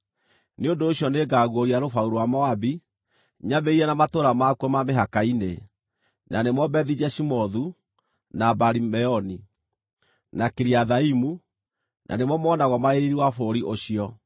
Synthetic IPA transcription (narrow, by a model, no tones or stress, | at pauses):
neondoːɕjɔneɡaɣwoɾiaɾofauɾowamɔabi | ɲaβeiɾɛnamatoɾamakwɔmameɦakaine | nanemwɔbɛðid͡ʑɛʃimɔðu | nabaɾimɛɔni | nakeɾiaðaimu | nʔa̰nemwɔmɔːnaɣɔmaeɾiɾiwafoɾiʔoɕiɔ